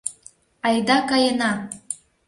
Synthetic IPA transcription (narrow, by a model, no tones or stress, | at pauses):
ɑjd̪ɑkɑjənɑ